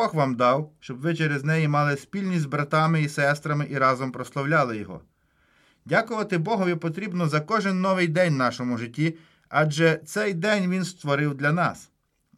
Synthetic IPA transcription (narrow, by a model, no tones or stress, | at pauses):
bɔɣʋɑmd̪ɑwʃt͡ʃɔbʋɪt͡ʃeɾeznɛjimɑlˠɪspʲilʲnʲizbɾɐt̪ɑmɪisɛst̪ɾɐmɪʔiɾɑzɔmpɾɔslˠɔwlʲɑlˠɪjɔɦɔ̰ | dʲakʊʋɐt̪ɪbɔɦʊjɛpɔt̪ɾʲibnɔzɐkɔʒɪnːɔʋɪjd̪ɛnʲnɑʃɔmʊʒɪtʲːi | ɑd͡ʒɛt̪sɛjd̪ɛnʲʋʲinst̪ʋɔɾɪwd̪lʲɐnɑ̰s